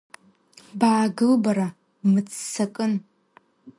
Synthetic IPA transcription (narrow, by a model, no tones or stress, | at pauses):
baːɡɨlbaɾa | mɨt͡sʰʼsakʼɨn